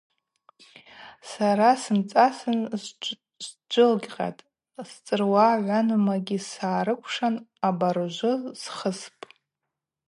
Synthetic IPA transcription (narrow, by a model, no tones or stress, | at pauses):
saɾasɨmt͡sʼasɨn | z | d͡ʒʷɨlɡʲqʲʼa̰tʼ | st͡sʼɨrwaʕʷanɨmaɡʲisaːɾɨkʷʰʂanabaɾʒʷʊsχəspʼ